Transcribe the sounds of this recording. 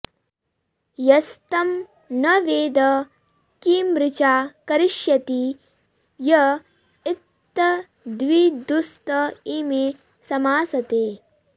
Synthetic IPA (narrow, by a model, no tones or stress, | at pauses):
jɐst̪ɐm | nɐʋeːd̪ɐ | kiːmɾɪt͡ʃaːkɐɾɪʃjɐt̪i | jɐ | it̪ː | ɐ | d̪ʋid̪ust̪ɐiːmeː | sɐmaːsɐt̪eː